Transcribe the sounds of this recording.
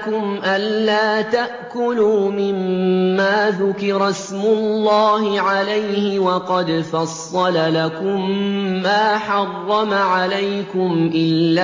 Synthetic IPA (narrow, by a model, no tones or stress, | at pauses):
kʊmʔanːaːt̪aʔkʊluːmɪmːaːðʊkɪɾˤɑsmʊlːaːhɪʕalajhɪwɑqɑd̪fɑsˤːɑlalakʊmːaːħɑrˤːɑmaʕalajkʊmʔɪlːaː